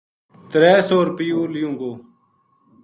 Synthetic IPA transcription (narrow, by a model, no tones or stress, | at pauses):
t̪ɾɛːsoːɾpɪjuːlɪjũːɡoː